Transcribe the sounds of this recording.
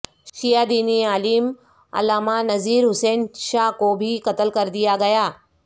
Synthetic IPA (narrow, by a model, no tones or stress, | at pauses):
ʃijad̪iːniaːliːm | ɐ̰laːmanɐziːɾɦʊseːnʃaɦkobʱikɐt̪əlkɐɾd̪ijaɡɐjaː